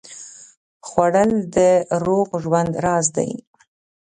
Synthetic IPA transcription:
xwaɽəld̪əɾoɣʒwand̪ɾɑzd̪a̰j

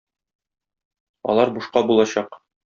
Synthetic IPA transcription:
ɒ̰lˠɑɾbuʃqɑbulˠɑɕɑq

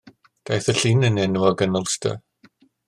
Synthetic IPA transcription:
d̥ajθəɬinənɛnuɔɡənɔlˠstʰə̰

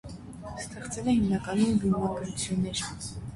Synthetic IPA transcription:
st̪ɛχt͡sɛlɛhimnɑkɑnunbumɑɡɾut͡sʰjunːɛɾ

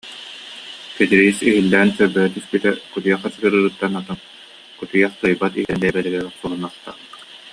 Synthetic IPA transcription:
kɛd̪iɾiisiɦilːɛːnsœɾbɛɦɛt̪yspit̪ɛkut̪ujɛχɛsɯɡɯɾɯɾɯt̪ːanat̪ɯn | kut̪ujaχt̪ɯjbat̪iɦɛnd̪ɛbɛlɛɡɛɡɛsulˠunaχt̪a̰ːʁɯ

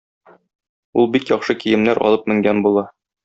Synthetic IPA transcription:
ulˠbikjɒχʃɤkijɘ̆mnæɾʔɒ̰lˠɤp̚mɘ̆ŋɡænbulˠɑ

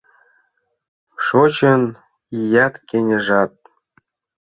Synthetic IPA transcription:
ʃot͡ɕɤ̆n | ijɑt̪kʲenʲə̆ʐɑt̪̚

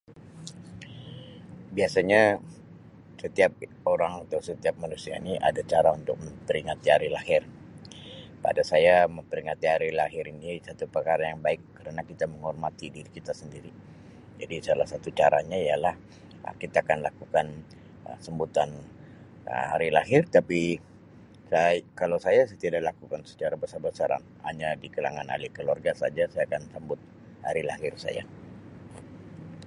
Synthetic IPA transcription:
biasaɲa | sət̪iap̚ | oɾaŋat̪awsət̪iap̚manusia̰ḭniʔa̰dat͡ʃaɾaunt̪ʊk̚məmpəɾiŋat̪iɦaɾilahɪr | pa̰dasajaməmpəɾiŋat̪iɦaɾilahɦɪɾinisat̪upərkaɾajaŋbaɪkːəɾənakit̪aməŋhɔrmat̪idiɾikit̪asəndiɾi | d͡ʒa̰disalahsat̪ut͡ʃaɾaɲaijalah | ə̰kit̪aːkanlakukan | ə̰səmbut̪an | ə̰ha̰ɾilahɪrt̪api | sakalawsajasat̪idaʔlakukansə̥t͡ʃaɾabəsarbəsaɾa̰n | ha̰ɲadikala̰ŋana̰lɪhkəluwarɡasad͡ʒasajaːkansəmbʊt̪̚ | ha̰ɾila̰ɦɪrsa̰ja̰

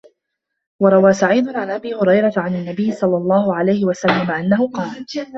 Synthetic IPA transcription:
wɑɾˤɑwaːsaʕiːd̪ʊnʕanʔabiːhʊɾɑjɾˤɑt̪ʕananːabɪjːɪsˤɑlːɑlˤːɑːhʊʕalajhɪwasalːamaʔanːahʊqɑːl

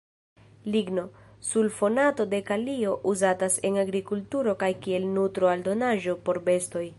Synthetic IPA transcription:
liɡno̞ | sulfo̞nato̞de̞kalio̞ʔuzatase̞naɡɾikultuɾo̞kajkie̞lnutɾoaldo̞naʒo̞po̞ɾbe̞sto̞j

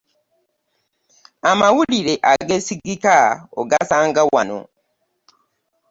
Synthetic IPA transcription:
amawuliɾeʔaɡesiɡikao̰ɡasaːŋɡawa̰no̰

